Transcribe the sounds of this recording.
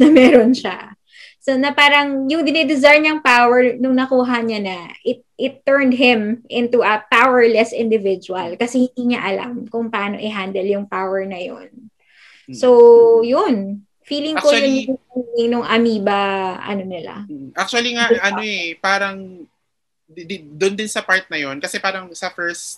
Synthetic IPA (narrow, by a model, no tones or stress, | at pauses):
nɐmɛːɾonʃa | sonɐpaːɾɐŋjʊŋd̪ɪnɛd̪ɪzajɲɐŋpawɛɹnʊŋnɐkuːɦɐɲanɐʔɪt̪̚ʔɪt̪ːɛɹnd̪̚ɦɪ̃mʔɪ̃nt̪uʔɐpawɛɹlɛsɪnd̪ɪvɪd͡ʒuɐlkɐsɛhɪnd̪iːɲaʔɐla̰mkʊŋpɐʔaːno̞ʔɪɦand̪ɛljʊŋpawɛɹnɐjo̰n | sojʊn | fiːlɪŋkojʊnʊɪŋnʊŋʔɐmiːbɐʔɐ̰nonɪla̰ʔak̚t͡ʃuɐliŋaʔɐnoɛpaːɾɐŋ | d̪ɪd̪ʊnd̪ɪnsɐpaɹt̪̚nɐjonkɐsɛpaːɾɐŋsɐfɛɹs